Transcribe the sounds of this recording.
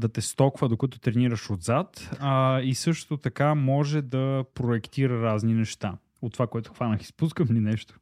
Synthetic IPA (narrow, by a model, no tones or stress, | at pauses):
d̪ɐt̪ɛst̪ɔkvəd̪okət̪ʊ̥t̪ɾɛniɾəʃod̪zat̪ | isɤʃt̪ot̪ɐkamɔʒɛd̪ɐpɾoɛkt̪iɾəɾazninɛʃt̪a | ot̪ːovakoɛt̪ʊxvanəxi̥spuskəfninɛʃt̪o̥